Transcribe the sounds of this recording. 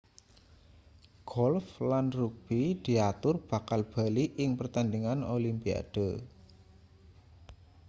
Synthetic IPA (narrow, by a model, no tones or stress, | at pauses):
ɡ̥ɔlflanruk̚b̥id̪̥i̤at̪ʊrb̥a̤kalb̥a̤liʔɪŋpərt̪and̪iŋanolimpia̰d̥o